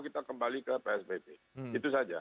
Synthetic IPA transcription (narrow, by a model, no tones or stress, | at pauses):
kit̪akəmbalikəpeɛsbeteit̪usad͡ʒa̰